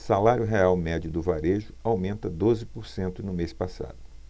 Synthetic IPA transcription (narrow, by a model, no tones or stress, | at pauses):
salaɾjʊɦeawmɛd͡ʒʊd̪ʊvaɾeʒʊawmẽnt̪ɐd̪ozɪpoɾsẽnt̪ʊnʊmespasa̰d̪ʊ